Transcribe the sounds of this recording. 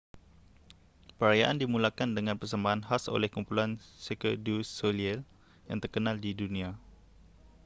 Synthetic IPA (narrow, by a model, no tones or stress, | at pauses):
pəɾajaʔandimulakandəŋãnpərsəmbaɦanhaso̰lɛhkumpulansekədusoliɛl | ja̰ŋt̪ərkənaldidunĩa